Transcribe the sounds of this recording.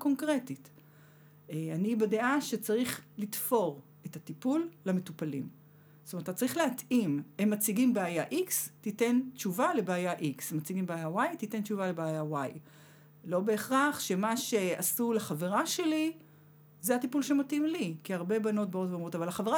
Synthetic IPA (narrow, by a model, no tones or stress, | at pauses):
ko̞ŋkʁetit | eanibadeʔaʃet͡saʁiχlitfo̞ʁ | etatipulːame̞tupalḭm | stometat͡saɐʁiχleatʔimemːat͡siɡimbeajaʔikstite̞nt͡ʃuvale̞beːjaʔiksemːat͡siɡimbeajawajtite̞nt͡ʃuvalebeːjawaj | lo̞be̞ːχʁaχʃe̞maʃe̞asuleχaveʁaʃe̞li | zeatipulʃematimlikiaʁbe̞bano̞t̚baotveomʁotavalaχaveʁa